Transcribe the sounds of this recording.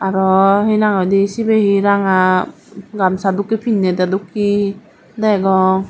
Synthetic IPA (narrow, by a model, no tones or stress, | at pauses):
aɾɔhɯjnaŋadisibehiɾaŋa | ɡamsadukːipʰinːedadukːi | daɡɔ